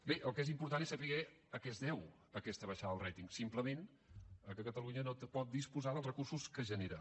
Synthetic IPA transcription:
beʔəlˠkezimpuɾt̪anesəpiɣɛ | əkɛezðɛw | əkɛst̪əβəʃaðəðəlˠrɛt̪iŋsimpləmen | əkəkət̪əluɲənopɔt̪̚d̪ispuzaðəlˠrəkursuskəʒəneɾə

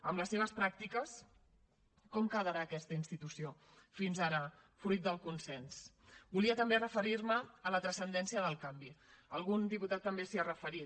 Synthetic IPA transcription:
əmləsːeβ̞əspɾak̚t̪ikəs | kɔmkəðəɾaːkɛst̪əinst̪it̪usio | finzaɾə | fɾujt̪̚d̪əlˠkunsɛns | buliət̪əmberəfəɾiɾməːlət̪ɾəsənd̪ɛnsiəðəlˠkambiəlˠɣund̪iput̪at̪ːəmbesiarəfəɾi

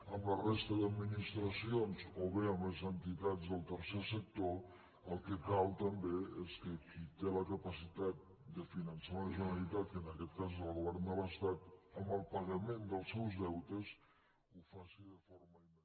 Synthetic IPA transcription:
əmlərest̪əðəd̪minist̪ɾəsionzoβeəmləzənt̪it̪ad͡zðəlˠt̪əɾsɛsək̚t̪o | əlˠkəkalt̪əmbeeskəkit̪eləkəpəsit̪at̪̚ | d̪əfinənsaləʒənəlit̪at̪̚kənəkɛt̪̚kazəlˠɣuβɛɾnd̪ələst̪at̪əməlˠpəɣəmend̪əlˠsɛwzðɛwt̪əs | ufasiðəfoɾməi

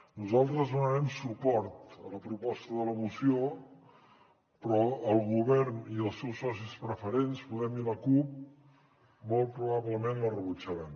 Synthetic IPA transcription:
nuzalˠt̪ɾəzðunəɾɛmsupɔɾt̪ələpɾupɔst̪əðələmusio | pɾɔəlˠɣuβɛrniəlˠsɛwsɔs̬ispɾəfəɾenspuðɛmiləkup̚ | mɔlˠpɾuβaβləmenlərəβut͡ʃəɾɛm

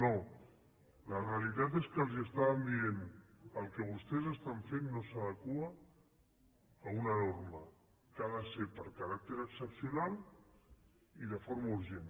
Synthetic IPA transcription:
no | ləreəlit̪at̪eskəlˠziəst̪aβəmbienəlˠkəβ̞ust̪ɛzəst̪aɱfenːosaðəkua | unanoɾmə | kaðəsepəɾkaɾak̚t̪eɾəksəpsjunal | iðəfoɾmauɾʒen

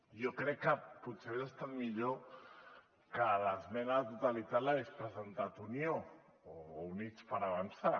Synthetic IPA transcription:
jokɾɛkːəputseβezəst̪at̪miʎo | kələzmɛnat̪ut̪alit̪at̪laɣespɾəzənt̪at̪unijo | ounit͡spəɾaβansa

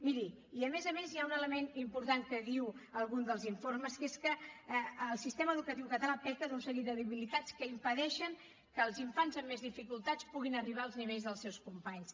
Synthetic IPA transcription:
miɾiiəmezəmezjaunələmenimpuɾt̪aŋkəðiwəlˠɣund̪əlˠziɱforməskeskə | lˠsist̪eməːðukət̪iwkət̪əlapɛkəðunsəɣit̪əðəβilit̪at͡skəimpəðɛʃəŋ | kəlˠziɱfanzəmːezðifikulˠt̪at͡spuɣ̞inəriβ̞aəlˠzniβeʎzðəlˠsɛwskumpaɲs

